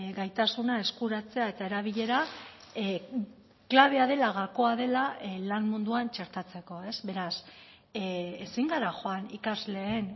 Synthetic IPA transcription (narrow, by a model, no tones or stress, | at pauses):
ɡajt̪asunae̞skuɾat͡se̞ae̞t̪ae̞ɾaβ̞iʎe̞ɾa | klaβ̞e̞aðe̞laɣako̞aðe̞lalanmund̪uant͡ʃeɾt̪at͡se̞ko̞e̞zβe̞ɾas | esiŋɡaɾaʝo̞anikazle̞ːn